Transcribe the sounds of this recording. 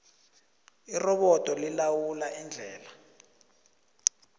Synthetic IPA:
irɔɓɔtʼɔlilawulaʔind͡ɮʱɛːla

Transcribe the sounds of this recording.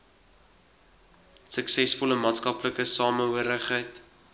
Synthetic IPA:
səksɛsfɔləmɑːtskɐpləkəsɑːmənɦuəɾəχɦəjt

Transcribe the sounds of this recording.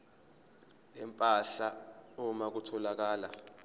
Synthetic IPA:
ɛmpʼaɬaumak̬utʰɔlak̬aːla̰

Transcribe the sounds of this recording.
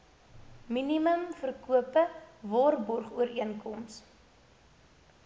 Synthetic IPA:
miniməmfərkuəpəvɔrbɔrχuəɾiənkɔms

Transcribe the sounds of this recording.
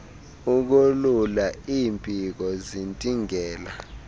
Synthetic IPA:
uk̬ululaiːmpʼik̬ɔzintʼiŋɛːla̰

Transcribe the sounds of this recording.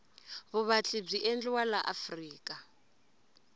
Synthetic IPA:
βuβat͡ɬib͡ʐiʔɛnd͡ɮwalaʔafriːkʼa

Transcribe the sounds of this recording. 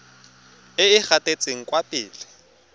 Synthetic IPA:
ɪɪk͡xatʼet͡sʼeŋ̩kʼwapʼɪːlɪ

